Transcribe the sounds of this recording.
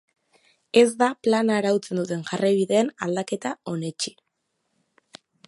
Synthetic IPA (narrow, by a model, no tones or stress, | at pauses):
e̞zd̪aplanaːɾawt͡se̞nd̪ut̪e̞ŋʝarajβ̞iðe̞ːnald̪ake̞t̪ao̞ne̞t͡ʃi̥